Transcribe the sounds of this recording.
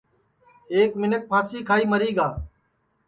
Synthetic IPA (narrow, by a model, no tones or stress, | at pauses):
eːkmɪnək̚pʰãːsiːkʰaːiːməɾiːɠaː